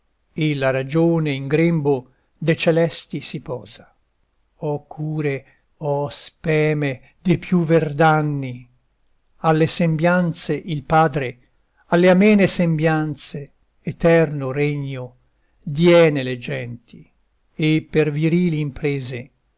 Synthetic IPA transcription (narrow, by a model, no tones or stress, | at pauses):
elaɾad͡ʒoːneiŋɡɾembo | d̪et͡ʃelɛst̪isipɔːza | ɔkʰːuːɾe | ɔspɛːme | d̪epʰjuverd̪anːi | alːesembjant̪seʔilpaːd̪ɾe | alːeamɛːnesembjant̪seː | t̪ɛrnoreɲːo | d̪jɛːneled͡ʒɛnt̪i | epːerviɾiːliːmpɾeːze